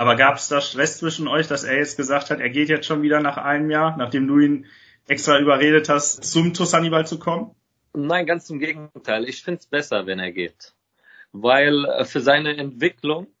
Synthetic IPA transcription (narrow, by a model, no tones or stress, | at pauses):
ʔaːbɐɡaːpə̥sd̥aːʃtʁ̥ɛst͡sv̥ɪʃn̩ɔʏçd̥aseːɐjɛt͡st̚ɡ̥əzaːk̚thatʔeːɐɡeːtjɛt͡stʃoːnviːdɐnaːχʔaɪnəmjaːɐnaːχd̥eːmduːiːn | ʔɛkstʁ̥aːʔyːbɐʁeːdəthastt͡sʊmtʰʊsanibalt͡sukʰɔmən | naɪnɡant͡sɪmɡeːɡŋ̩ŋ̩tʰaɪlɪçfɪntsb̥ɛsɐvɛneːɐɡḛːt | vaɪlfyːɐzaɪnəɛntv̥ɪklʊŋ